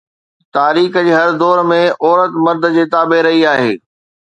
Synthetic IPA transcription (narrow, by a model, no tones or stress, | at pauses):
t̪aːɾiːkd͡ʑeːɦɐɾd̪ɔːɾmẽʔɔːɾət̪mɐɾd̪ʱd͡ʑeːt̪aːbeɾɐɦiaːɦeː